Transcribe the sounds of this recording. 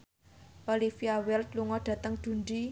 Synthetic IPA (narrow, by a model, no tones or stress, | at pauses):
ʔolifiawɛlt̪̚luŋɔd̥ä̤t̪əŋd̪̥ṳɳɖi